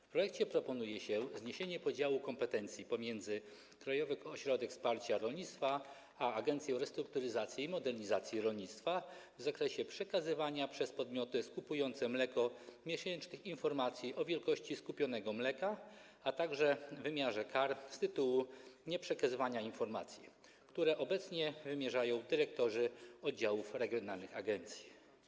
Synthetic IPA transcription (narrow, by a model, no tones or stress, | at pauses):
fpɾɔjɛkt͡ɕɛpɾɔpɔnujɛɕɛzɲeɕeɲɛpɔd͡ʑawukɔmpɛt̪ɛnt̪sʲjipɔmʲjɛnd̪zɘ | kɾajɔvɘxɔɕɾɔd̪ɛkspaɾt͡ɕaɾɔlɲit̪st̪fa | aːɡɛnt̪sʲjɛwɾɛst̪ɾuk̚t̪uɾɘzat̪sʲjimɔd̪ɛɾɲizat̪sʲjiɾɔlɲit̪st̪favzakɾɛɕɛpʂɛkazɘvaɲapʂɛspɔd̪mʲjɔt̪ɘskupujɔnt̪sɛmlɛkɔmʲjɛɕɛnt͡ʂnɘxinfɔɾmat̪sʲjiʔɔvʲjɛlkɔɕt͡ɕiskupʲjɔn̪ɛɡɔmlɛka | at̪aɡʐɛvɘmʲjaʐɛkaɾst̪ɘt̪uwuɲɛpʂɛkazɘvaɲainfɔɾmat̪sʲjḭ | kt̪uɾɛʔɔbɛt̪sɲɛvɘmʲjɛʐajɔ̃w̃d̪ɘɾɛk̚t̪ɔʐɘɔd̪̚d͡ʑawufɾɛɡʲjɔnalnɘxaɡɛnt̪sʲji